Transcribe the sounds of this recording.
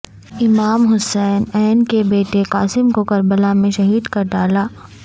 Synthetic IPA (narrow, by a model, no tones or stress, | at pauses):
ɪmaːmɦʊsɛːnɛːnkebeːʈekaːsɪmkokɐɾbəlamẽʃɐɦiːd̪kɐɾɖaːlaː